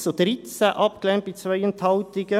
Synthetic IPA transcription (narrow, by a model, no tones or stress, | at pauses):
sod̪ɾɪt̪sæʔɑpklɛmpisʋœʏənt̪ʰɑʊt̪ɪɡə